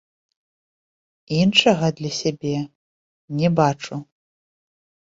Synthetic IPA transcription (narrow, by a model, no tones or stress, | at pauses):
inʂɐɣɐd̪lʲɐsʲabʲɛ | nʲɛbat͡ʂu